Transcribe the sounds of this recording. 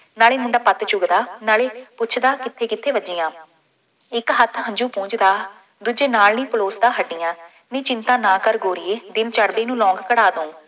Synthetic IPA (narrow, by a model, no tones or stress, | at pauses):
naːɭeːmʊɳɖaːpət̪t͡ʃʊɡd̪aːnaːleːpʊt͡ʃʰd̪aːkɪt̪ʰːeːkɪt̪ʰːeːʋəd͡ʒɪjãː | ɪkɦət̪ʰɦə̃ɲd͡ʒuːpũːɲt͡ʃd̪aː | d̪uːd͡ʒeːnaːlnĩːpəloːsd̪aːɦəʈːijãː | nẽːt͡ʃɪnt̪ãːnaːkəɾɡoːɾɪeːd̪ɪmt͡ʃəɽd̪eːnũːlɔ̃ːŋɡkəɽaːd̪õː